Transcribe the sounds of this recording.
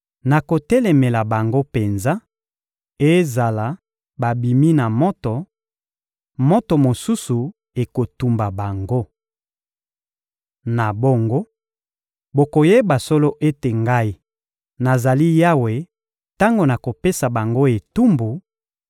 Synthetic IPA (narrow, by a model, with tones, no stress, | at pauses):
na˨ko˨tɛ˦lɛ˨me˨la˨ba˨ŋɡo˦pe˨nza˦ | e˦za˨la˨ | ba˨bi˨mi˦na˨mɔ˦tɔ˨ | mɔ˦tɔ˨mo˨su˦su˨ | e˨ko˨tu˨mba˨ba˨ŋɡo˦ | na˨bo˦ŋɡo˦ | bo˨ko˨je˦ba˨so˦lo˦ʔe˦te˨ŋɡa˦i˦ | na˨za˨li˦ja˦we˨ | ta˦ŋɡo˨na˨ko˨pe˦sa˨ba˨ŋɡo˦e˨tu˦mbu˨